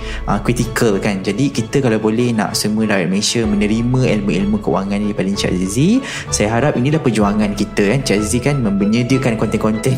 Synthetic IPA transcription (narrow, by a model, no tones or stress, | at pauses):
ʔəkɾit̪ikəlkand͡ʒadikit̪əkalawbolɛhnã̰ʔsəmuəlaɾat̪̚məlesamə̃nə̃ɾimə̃ilmuilmukəṵaŋãndipalɪŋt͡ʃɛ̰lzi | sajaɦaɾap̚inĩlahpərd͡ʒuaŋankit̪əkant͡ʃɛlzikanmə̃mbəɲədiəkankɔnt̪ɛkɔnt̪ɛn